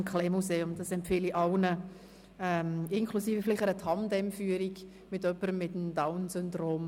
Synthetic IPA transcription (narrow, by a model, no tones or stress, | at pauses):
mkʰχlɛmuseːʊmdɑsɛmpfɪliʔɑwnə | ɛmɪŋkʰlusiːfəflɪχəɾət̪ʰhɑmdɛmfyːəɾiɡ | mɪtœpːəɾəmːɪtəm̩daʊnsʏndroːm